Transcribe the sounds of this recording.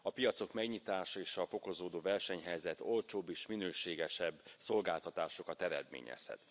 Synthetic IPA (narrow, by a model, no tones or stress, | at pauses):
ɒpijɒt̪so̞kmɛɡɲit̪aːʃɒeːʃɒfo̞ko̞zoːd̪oːvɛrʃɛɲɦɛjzɛt̪o̞lt͡ʃoːbːeːʃminøːʃeːɡɛʃɛbːso̞lɡaːlt̪ɒt̪aːʃo̞kɒt̪ɛɾɛ̰d̪mḛːɲɛ̰shɛ̰t̪